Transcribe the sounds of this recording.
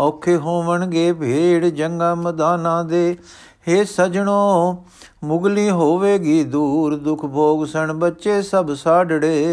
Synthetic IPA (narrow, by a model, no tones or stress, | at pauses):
ɔːkʰːeːɦoːʋəɳɡeːbʱeːɽd͡ʒəŋɡaːməd̪aːnãːd̪eː | eːsəd͡ʒɳoː | mʊɡliːɦoːʋeːɡiːd̪uːɾd̪ʊkʰbʱoːɡsəɳbətːʃeːsəbsaːɖɽeː